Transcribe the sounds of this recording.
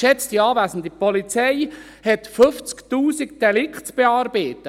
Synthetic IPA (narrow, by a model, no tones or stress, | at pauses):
ʃɛt͡stiɑːvæːsən̩d̪ipɔlit͡sɛɪ | hɛtfɵft͡sktuːsikd̥ɛlɪkχtt͡sb̥eɑːɾbeːtːə